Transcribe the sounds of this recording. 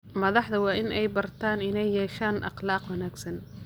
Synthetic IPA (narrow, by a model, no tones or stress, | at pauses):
mɐðɑħd̪ɐwɑːʔɪnɛjbɐrt̪ʰaːnɪnɛjːɛːʃaːnʔɑ̰qlɑːqwɑnaːɡsɐn